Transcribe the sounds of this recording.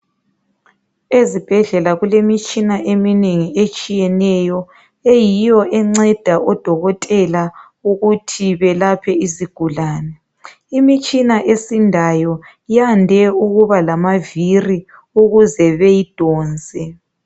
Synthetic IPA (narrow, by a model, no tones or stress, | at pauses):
ezib̥ʱɛɮɛlaɣulemit͡ʃʼinaʔemineŋiʔet͡ʃʼijɛnɛjɔ | ejijɔʔɛŋ͡ǀɛd̥ʱaɔd̥ʱɔɣɔtʼɛla | uɣutʰiβɛlapʰɛiziɡ̥ʱulaːnɛ | imit͡ʃʼinaʔesindʱajɔ | jandʱɛuɣuβalamaviri | uɣuzɛβejid̥ʱɔːnd͡zʱɛ